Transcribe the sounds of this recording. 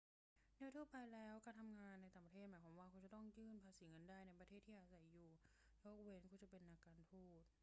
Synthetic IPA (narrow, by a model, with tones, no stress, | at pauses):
dɯː˧˥˨t̪ʰu˥˩pa˧jlɛː˦˥wka˧˩t̪ʰa˧mŋaː˧nːa˧jt̪aː˨˩ŋpɾt̪ʰe˥˩maː˨˦jʰpʰaː˩˦waː˧˩kʰu˧nt͡ɕa˨˩t̪ɔ˥˩ŋjɯː˥˩npʰaː˧siː˩˦ŋɤ˧ndaː˥˩jna˧jpɾa˧eː˥˩t̪ʰːiː˥˩ʔaː˧˩sa˨˩˦jːuː˨˩ | joː˦˥˩k̚we˧nkʰuː˧˥˩t͡ɕa˨˩pe˧nʔaː˧kaː˧nt̪ʰuː˥˩t̪̚